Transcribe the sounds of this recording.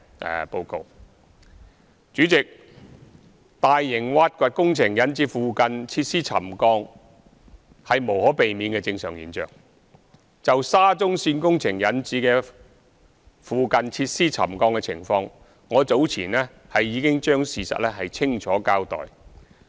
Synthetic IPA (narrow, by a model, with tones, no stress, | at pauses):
ɛ̰˨po˧wko˧w | t͡ʃyː˨˥t͡sɪ˨k̚ | t̪aː˨jːɪ˨˩ŋwaː˧˥t̚kʷa˨t̚kʊ˥ŋt͡sʰɪ˨˩ŋjɐ˨˥nt͡siː˨˥fuː˨kɐ˨nt͡sʰiː˧t̚siː˥t͡sʰɐ̰˨˩mkɔː˧ŋ | hɐ˨jmo˨˩whɔː˨˥pe˨jmiː˨˧˥nkɛ˧t͡sɪ˧ŋsœː˨˩ŋjḭː˨˥nt͡ʃœ̰ː˨ŋ | t͡sɐ˨wsaː˥t͡sʊ˥ŋsiː˧nkʊ˥ŋt͡sʰɪ˨˩ŋjɐ˨˥nt͡siː˨˥kɛː˧ | fuː˨kɐ˨nt͡sʰiː˧t̚siː˥t͡sʰɐ̰˨˩mkɔː˧ŋkɛ˧t͡sʰɪ̰˨˩ŋfɔː˧ŋː | ɔː˨˧t͡so˨˥wt͡sʰiː˨˩nlɛː˥ | hɐ˨jːiː˨˧kɪ˥ŋt͡ʃœː˥ŋsiː˨˩sɐ̰˨t̚lɛː˥hɐ˨jt͡sʰɪ˥ŋt͡ʃʰɔː˨˥kaː˧˥wt̪ɔ̰ː˨˩j